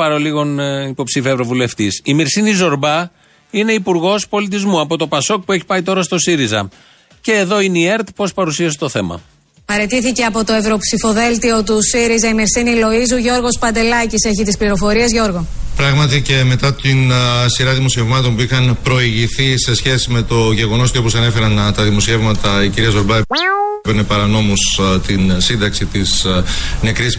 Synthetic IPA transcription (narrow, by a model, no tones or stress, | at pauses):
pɐɾoliɣo̞nipo̞psifiɐevɾo̞vule̞ft̪isimiɾsinizo̞ɾbɐ | ine̞ipuɾɣo̞spo̞lit̪̬izmuɐpo̞t̪o̞pɐso̞k̚pue̞çi̥pɐit̪o̞ɾɐst̪o̞siɾizɐ̰ | ce̞ːðo̞ineie̞ɾt̪po̞spɐɾusiɐse̥t̪o̞θe̞mɐ̰ | pɐɾe̞t̪iθice̞ɐpo̞t̪o̞e̞vɾo̞psifo̞ðe̞lt̪io̞t̪usiɾizɐimiɾsinilo̞izuʝo̞ɾɣo̞spɐnd̪e̞lɐcise̞çit̪ispliɾo̞fo̞ɾiɐzʝo̞ɾɣo̞pɾɐɣmɐt̪ice̞me̞t̪ɐt̪insiɾɐðimo̞sie̞vmɐt̪o̞npuixɐnpɾo̞iʝiθise̞sçe̞sime̞t̪o̞ʝe̞ɣo̞no̞sceo̞posɐne̞fe̞ɾɐnt̪ɐðimo̞sie̞vmɐt̪ɐiciɾiɐzoɾbɐpeɾnepɐɾɐno̞must̪insind̪ɐksit̪isne̞kɾis